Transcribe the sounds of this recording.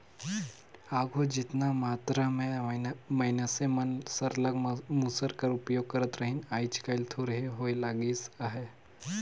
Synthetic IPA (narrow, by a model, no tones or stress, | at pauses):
aːɡʱod͡ʒɪt̪namaːt̪ɾamẽmɐɪnasemənsɐɾləɡmuːsəɾkəɾʊpjoːɡ̚kɐɾət̪ɾəɦɪnaːit͡ʃkaɪlt̪ʰoɾəɦeɦoːelaːɡiːsaɦeː